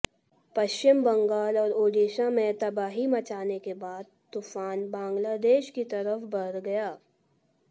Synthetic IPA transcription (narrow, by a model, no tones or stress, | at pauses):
pɐʃt͡ʃɪmbɐ̃ŋɡaːlɔːɾoːɖiːʃamẽt̪ɐbaːɦimɐt͡ʃaːnekebaːd̪̚t̪ːuːfaːnbãːŋɡlaːd̪eːʃkit̪ɐɾəfbɐɾɡɐjaː